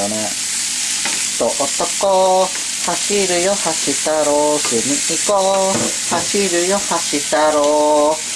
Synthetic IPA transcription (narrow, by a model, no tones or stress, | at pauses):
onẽ | t̪oʔot̪oko | haʃiɾɨjohaʃit̪aɾosɨnĩʔĩko | haʃiɾɨjohaʃit̪aɾo